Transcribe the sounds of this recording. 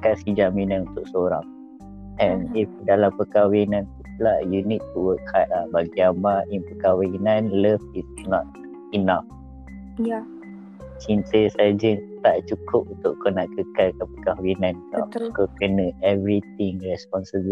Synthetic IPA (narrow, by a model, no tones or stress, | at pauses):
katsid͡ʒamĩnãnunt̪ʊk̚səoɾa̰ŋ | ɛ̃nifdalampəkawinãnt̪ulajunit̪ːuwək̚hat̪̚lahbaɡiamaʔinpəkawinãnləfisnɔt̪̚ | inaf | j | t͡ʃint̪əsad͡ʒət̪aʔt͡ʃukʊp̚unt̪ʊʔkonaʔkəkalkanpəkawinãnka̰kokənə̃ɛvɾit̪ĩŋɹɛspɔnsəbə